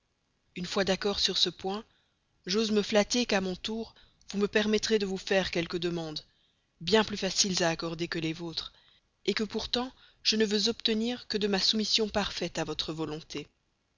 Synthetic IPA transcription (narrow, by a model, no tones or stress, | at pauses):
ynfwad̪akɔʁsyʁsəpwɛ̃ | ʒozməflat̪ekamɔ̃t̪uːʁ | vuməpɛʁmɛt̪χed̪əvufɛʁkʲɛlkəd̪əmɑ̃d̪ | bjɛ̃plyfasilzaːkɔʁd̪ekəlɛvot̪χ | ekəpuʁt̪ɑ̃ | ʒ̥ənəvøzɔpt̪əniːʁkəd̪əmasumisjɔ̃paʁfɛt̪avɔt̪χəvɔlɔ̃t̪e